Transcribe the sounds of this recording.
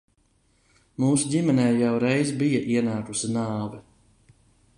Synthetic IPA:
muːsudʲimɛnɛːjawɾɛjzbijɐʔiɛnaːkusinaːvɛ

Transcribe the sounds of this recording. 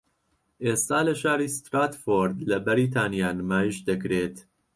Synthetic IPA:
ʔeːst̪aːlɐʃaːɾiːst̪ɾaːt̪foːɾd̪lɐbæɾiːt̪̬ʰaːnjaːnmaːjiʃd̪ɐkɾeːt̪

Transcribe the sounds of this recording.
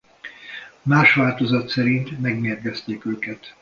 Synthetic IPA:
maːʃʋaːlt̪o̞zɒt̪sɛɾint̪mɛɡmeːrɡɛst̪eːkøːkɛt̪

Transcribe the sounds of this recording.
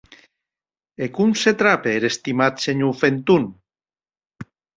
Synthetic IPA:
ekumset̪ɾapeːɾest̪imat̪seɲufent̪un

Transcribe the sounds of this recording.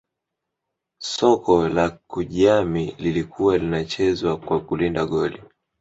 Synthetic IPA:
sɔkʰɔlakuʄamililikʰuwalinat͡ʃɛzwakwakulindaɠɔli

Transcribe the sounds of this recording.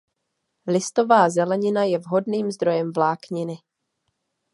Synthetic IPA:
lɪst̪o̞vaːzɛlɛɲɪnajɛvɦo̞dniːmzd̪ɾo̞jɛmvlaːkɲɪnɪ

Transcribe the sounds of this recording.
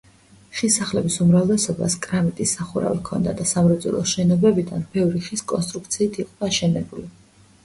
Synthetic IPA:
χisaχlɛbisumɾavlɛsɔba̰skʼɾamit̪ʼisːaχuɾa̰vikʰɔ̰nd̪a̰d̪asamɾɔd̪zṵlˠɔʃɛnɔbɛbid̪a̰nbɛvɾiχiskʼɔns̬t̪ʼɾuk̚ʰt̪sʰiːt̪ʰiqʼd̪aːʃɛnɛbuli

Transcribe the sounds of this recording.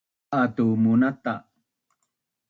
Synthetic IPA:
ʔat̪umunat̪a

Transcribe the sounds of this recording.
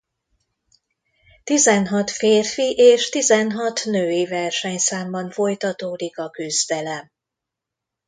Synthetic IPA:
t̪izɛnɦɒt̪feːrfiʔeːʃt̪izɛnɦɒt̪nøːjivɛrʃɛɲsaːmbɒɱfo̞jt̪ɒt̪oːd̪ikɒkyzd̪ɛlɛm

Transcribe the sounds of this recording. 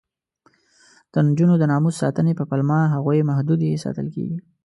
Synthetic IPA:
d̪̥ənd͡ʒunod̪ənɑmusːɑ̰t̪ənepəpalmɑɦaɣujmahd̪ud̪jesɑ̰t̪ə̰lkḛɡi

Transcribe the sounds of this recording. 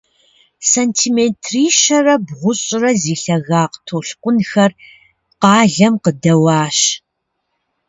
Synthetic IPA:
sɐntʰiːmentʰriːʃɐrɐbʁʷʊɕʼɪrɐziːɬɐɣaːqtʰoːɬqʷʼʊnxɐr | qɑːɮɐmqədɐwɑːɕ

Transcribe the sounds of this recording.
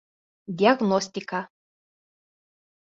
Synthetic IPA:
d̪ʲiaɣnɔsʲt̪ʲika

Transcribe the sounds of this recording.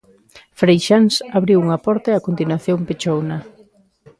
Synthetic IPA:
fɾejʃansaβɾiwuŋapɔɾt̪aeakont̪inwaθjompet͡ʃowna

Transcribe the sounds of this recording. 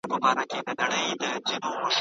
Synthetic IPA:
pəbɑɾaked̪ənaɽəjd̪əzinoməʃ

